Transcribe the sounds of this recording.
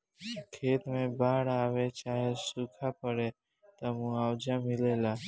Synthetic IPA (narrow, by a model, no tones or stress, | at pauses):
kʰeːt̪mẽːbaːɽaːʋeːt͡ʃaːɦeːsuːkʰaːpəɽeː | t̪əːmũːaːʋd͡ʒãːmɪleːlaː